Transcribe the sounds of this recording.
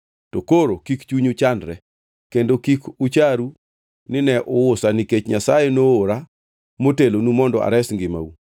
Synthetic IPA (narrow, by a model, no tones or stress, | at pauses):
tokoɾokikt͡ʃuɲut͡ʃandɾɛ | kendokikut͡ʃaɾu | nɪnɛʔʊwʊsaniket͡ʃɲasajenoːɾa | motelonumɔndɔ̰a̰ɾɛsŋɡɪma̰u